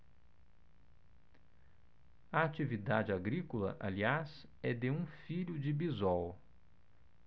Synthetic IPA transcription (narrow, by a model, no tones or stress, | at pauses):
ɐat͡ʃivid̪ad͡ʒɪaɡɾikolɐ̰ʔalias | ɛd̪eũfiʎʊd͡ʒɪbizɔw